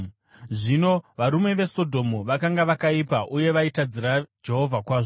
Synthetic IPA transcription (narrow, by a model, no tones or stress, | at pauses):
ʐino̞ʋaɾume̞ʋe̞so̞dʱo̞muʋakaŋɡaʋakaipaʔuje̞ʋaitad͡ziɾad͡ʒe̞ɦo̞vʱakwaːʐo